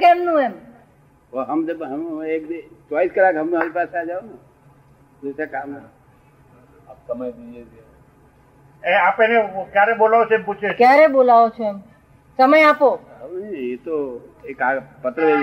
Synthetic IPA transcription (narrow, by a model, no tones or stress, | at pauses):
kemnũem | oɦəmd͡ʒebɦəmek̚d̪et͡ʃwaliskəlakɦəmneɾipasad͡ʒaona | d̪osakama | ap̚səməjd̪id͡ʒed͡ʒe | ẽapenekjaɾebolaot͡ʃʰemput͡ʃʰekjaɾebolaot͡ʃʰoem | səməjaːpo | ɦəmet̪oekaɡpət̪ɾəʋe